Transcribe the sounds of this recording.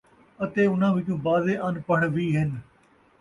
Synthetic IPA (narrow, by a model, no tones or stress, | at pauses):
ət̪eːʊnãːʋit͡ʃũːbaːzeːʔənpəɳʋiːɦɪn